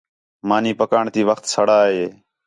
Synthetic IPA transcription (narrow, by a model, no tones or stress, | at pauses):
maːniːpəkaːɳt̪iːʋəxt̪səɽaːɦeː